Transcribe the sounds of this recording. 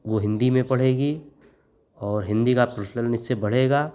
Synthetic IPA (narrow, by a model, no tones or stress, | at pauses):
ʋoɦɪ̃nd̪imẽpɐɽ̤eːɡi | ɔːɾɦɪ̃nd̪ikapəɾsnəlnɪsːebɐɽ̤eːɡaː